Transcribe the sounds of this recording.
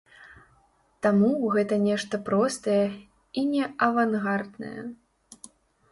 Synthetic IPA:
t̪amuɣɛt̪ɐnʲɛʂt̪ɐpɾɔst̪ɐjɛ | inʲɛɐvanɣard̪nɐ̰jɛ̰

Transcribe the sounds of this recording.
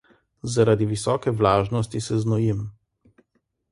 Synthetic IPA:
zaɾad̪iʋisɔːkɛʋlaːʒnɔst̪isɛznɔjim

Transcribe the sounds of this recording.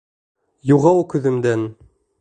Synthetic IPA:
juʁɑwkɵ̆ðɘ̆md̪æn

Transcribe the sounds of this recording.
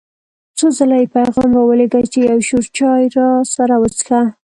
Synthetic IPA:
t͡sozalajepajɣɑmwawəleɡat͡ʃejawʃoɾt͡ʃɑjɾɑsaɾawət͡sxa

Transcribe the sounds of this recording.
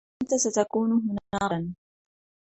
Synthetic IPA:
nt̪asat̪akuːnʊɦʊnaːan

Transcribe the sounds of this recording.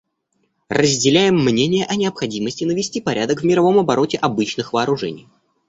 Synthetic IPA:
rəzʲdʲɪlʲæjɪmːnʲenʲɪjəʔɐnʲɪɐpxɐdʲiməsʲtʲɪnəvʲɪsʲtʲipɐɾʲʔad̪əkvʲmʲɪɾɐvo̞mɐbɐɾo̞tʲɪʔɐbɨt͡ɕnɨxvəːɾʊʐɛ̰nʲɪ̰j

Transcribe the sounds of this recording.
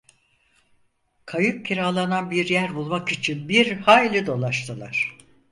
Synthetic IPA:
kʰajɯp̚cʰiɾaːlˠananbiɾjæɾbulˠmakit͡ʃʰinbiɾhaːjlʲid̪o̞lˠaʃt̪ʰɯlˠa̰ɾ̥

